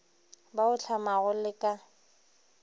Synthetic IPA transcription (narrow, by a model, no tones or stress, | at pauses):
baʊt͡ɬʰamaɣʊlɪkʼa